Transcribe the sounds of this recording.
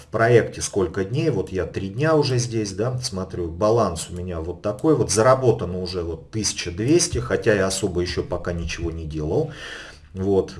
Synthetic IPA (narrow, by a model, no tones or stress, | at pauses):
fpɾɐektʲɪsko̞lʲkədʲnʲejvo̞t̪jat̪ɾʲidʲnʲaʊʐɛzʲdʲesʲd̪asmɐt̪ɾʲubɐlˠansʊmʲɪnʲavo̞t̪ːɐko̞jvo̞t̪zəɾɐbo̞t̪ənəʊʐɛvo̞t̪ːɨsʲɪ̥t͡ɕəd̪vʲesʲtʲɪxɐtʲajaɐso̞bəjɪɕːo̞pɐkanʲɪt͡ɕɪvo̞nʲɪdʲelˠəlˠ | vo̞t̪